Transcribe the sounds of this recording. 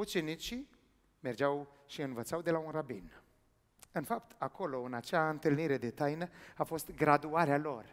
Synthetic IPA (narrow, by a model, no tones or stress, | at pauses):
ut͡ʃe̞nit͡ʃi | me̞rd͡ʒaw | ʃiɨnvət̪sawd̪e̞launrabḭn | ɨnfapt̪ʰakʰo̞lo̞ɨnat͡ʃaɨnt̪ɨlniɾe̞d̪e̞t̪ajnəafo̞st̪ɡɾad̪uaɾealo̞r